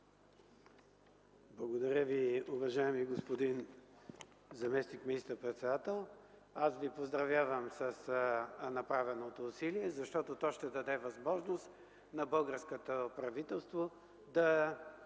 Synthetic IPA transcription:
blˠɐɡod̪ɐɾʲəviʊvɐʒaɛmiɡospod̪in | zɐmɛsnikminist̪əɾpɾɛt̪sɛd̪at̪ɛlˠasvipozd̪ɾɐvjavəmsɐsnɐpɾavɛnot̪oːsiliɛzɐʃt̪ɔt̪ot̪ɔʃt̪ɛd̪ɐd̪ɛvɐzmɔʒnost̪ | nɐbɤlˠɡəɾskot̪opɾɐvit̪ɛlˠst̪vo | d̪ɐ

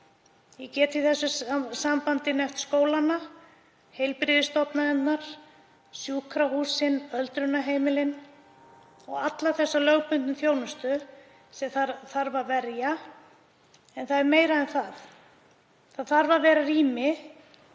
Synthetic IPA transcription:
jɛcɛːt̪iθɛsːʏsampant̪ɪnɛft̪skoːwlanːa | hejlpɾɪðɪst̪ɔp̪naɛt̪naɾ̥ | sjuːkʰɾahuːsɪnœlt̪ɾʏnːaɦeːjmɪlɪn | ɔɣat̪laθɛsːalœɣpʏnt̪nʏθjoːwnʏst̪ʏ | sɛθaθaɾvavɛɾja | ɛnθaðɛɾmeːjɾaɛnθaθ | θaðθaɾvavɛːɾaɾiːmɪ

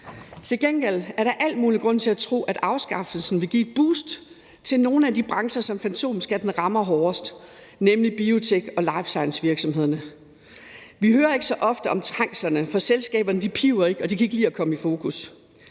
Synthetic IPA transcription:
t͡sʰe̝lɡ̥enɡ̥el̰æɐɾɑ̈ʔæl̰d̥muːliɡ̥ʁɔ̽n̰t͡sʰe̝æt͡sʰʁo̝̰ːæd̥ɑ̈ʊsɡ̥ɑ̈fl̩sn̩ʋe̝ɡ̥ḭːed̥̚b̥ṵːsd̥ | t͡sʰe̝lno̝ːn̩ædib̥ʁɑ̈ŋsɐsɒ̽mfænt͡sʰo̝̰ːmisɡ̥æɐd̥enʁɑ̈mɐɦɒːɐsd̥ | nemlib̥io̝t͡sʰeɡ̥ɒ̽lɑ̈ɪfsɑ̈ɪnsʋiɐɡ̥sɒ̽mhe̝ð̞̰ˠɐnə | ʋiɦøːɐe̝ɡ̥sɒ̽ʔɒ̽fd̥əʔɒ̽mt͡sʰʁɑ̈ŋ̰slɐnəfɒ̽selsɡ̥ɛ̰ːb̥ɐnəd̥ipʰiʊɐe̝ɡ̥ɒ̽d̥ikʰæeɡ̥liːɒkʰɒ̽məifo̝ːkʰus

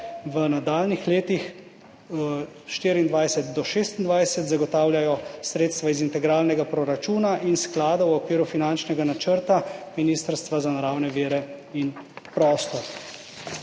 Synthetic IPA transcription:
ʋənad̪aːlnixleːt̪ix | ʃt̪iːɾiind̪ʋajsɛt̪̚d̪ɔʃeːst̪ind̪ʋajsɛt̪zaɡɔt̪aːwljajɔsɾeːt̪st̪ʋaizint̪ɛɡɾaːlnɛɡapɾɔɾat͡ʃuːnaʔinsklaːd̪owɔkʋiːɾufinant͡ʃnɛɡanat͡ʃəɾt̪aminiːst̪əɾst̪ʋazanaɾaːwnɛʋiːɾɛ | in | pɾɔːst̪ɔɾ

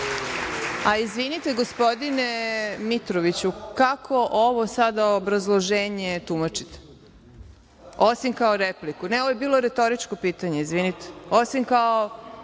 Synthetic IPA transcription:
aizʋinit̪e̞ɡospo̞d̪inemit̪ɾoʋit͡ɕukakʰo̞ʔoʋo̞sad̪aobɾazlˠoʒeːɲet̪umat͡ʂi̥t̪e̥ | o̞simkaoɾeplikunɛoʋojebiːlˠo̞ɾet̪o̞ɾit͡ʃko̞piːt̪aɲe̞izʋinit̪e̥o̞simkao

